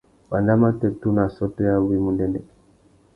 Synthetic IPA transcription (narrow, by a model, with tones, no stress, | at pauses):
ba˨nda˦ma˦tɛ˨tu˦na˨sɔ˦tɔ˦ja˦bu˦i˦mu˨ndɛ˦ndɛ˨